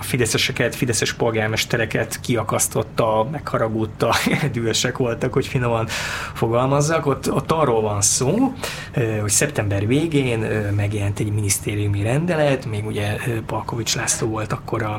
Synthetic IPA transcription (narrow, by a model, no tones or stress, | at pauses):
ɒfid̪ɛsɛʃɛkɛt̪fid̪ɛsɛʃpo̞lɡaːrmɛʃt̪ɛɾɛkɛt̪kiɒkɒst̪o̞t̪ːɒmɛkhɒɾɒɡut̪ːɒd̪yløʃɛkʋo̞lt̪ɒkho̞cfinːomɒnfo̞ɡɒlmɒzːɒko̞t̪ːot̪ːɒrːoːlvɒnsoː | øho̞csɛpt̪ɛmbɛrveːɡeːnømɛɡjɛlɛnt̪ɛɟminist̪eːɾijumiɾɛnd̪ɛlɛt̪meːɡuɟɛøpɒlko̞vit͡ʃlaːst̪oːvo̞lt̪ɒkːo̞ɾɒ